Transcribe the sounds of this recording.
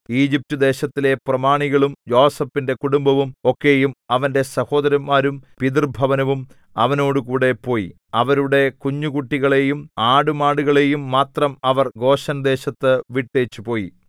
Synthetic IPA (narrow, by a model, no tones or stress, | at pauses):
iːd͡ʑip̚tud̪e̞ːɕɐt̪ːile̞prɐmaːɳiɣɐɭumjo̞ːsɐpːinde̞kuɽumbɐʋumo̞kːe̞jumɐʋɐnde̞sɐho̞ːd̪ɐɾɐmːaːɾumpiðirbʱɐʋɐnɐʋum | ɐʋɐno̞ːɽukuːɽe̞po̞ːji | ɐʋɐɾuɽe̞kuɲːuɣuʈːiɣɐɭe̞ːjumaːɽumaːɽuɣɐɭe̞ːjumːaːt̪rɐmɐʋɐrɡo̞ːɕɐnɐd̪e̞ːɕɐt̪ːɨʋiʈːeːt͡ɕːupo̞ːji